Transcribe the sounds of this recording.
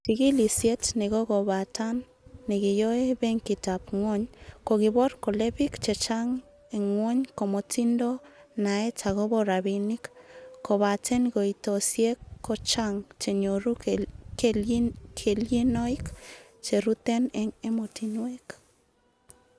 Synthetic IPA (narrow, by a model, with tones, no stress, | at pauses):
t͡ʃi˨ɡi˦li˨sje˦tne˨ɡo˦ɡo˨βa˨ta˦nː | e˨ɡi˨jo˦e˦be˦ŋki˨ta˨pŋo˦ɲko˨ɡi˨bo˦ɾko˨le˦bi˦kt͡ʃe˨t͡ʃa˦ŋ | e˨ŋːwo˦ɲko˨mo˨ti˦ndo˦na˨e˦t͡ʃa˨ɣo˦bo˦ɾa˨βi˨ni˦kkːo˨βa˨te˦nɡo˨ito˨sje˦kːo˦t͡ʃa˦ŋt͡ʃe˨ɲo˨ɾu˦k | kʰe˨lji˦no˦i˦k | t͡ʃe˨ɾu˦t̪e˦ne˨ŋe˦mo˨ti˨nwe˦k